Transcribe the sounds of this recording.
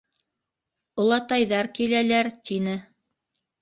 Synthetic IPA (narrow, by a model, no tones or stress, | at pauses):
ŏlˠɑt̪ɑjðɑɾkilælæɾt̪ʰinɘ